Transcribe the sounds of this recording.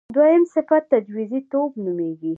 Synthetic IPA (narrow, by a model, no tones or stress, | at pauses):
d̪wajəmsɪfat̪ːad͡ʒwizit̪obnumeɡi